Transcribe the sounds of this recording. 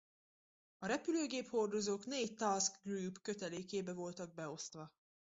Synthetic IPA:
ɒɾɛpyløːɡeːpho̞rd̪o̞zoːknɛic̚t̪askɡruːpkø̞t̪ɛleːkeːbɛvo̞lt̪ɒɡ̚bɛo̞st̪ʋɒ

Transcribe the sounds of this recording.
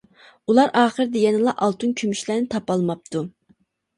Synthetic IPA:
ulˠɑɾʔɑːχəɾɨd̪ɛjɛnɨlˠɑʔɑlˠt̪ʰunkʲʰymyʃlæːnɪt̪ʰɑpɑlˠmɑp̚t̪ʰu

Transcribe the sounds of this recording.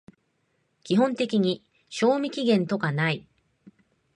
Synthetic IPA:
kʲiɦõ̞nt̪e̞kʲiɲ̟i | ɕo̞ːmʲikʲiɡẽ̞nt̪o̞kanai

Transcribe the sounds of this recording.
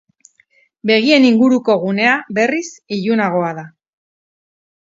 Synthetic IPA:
be̞ɣ̞ie̞niŋɡuɾuko̞ɣ̞une̞abe̞risiʎunaɣ̞o̞aða

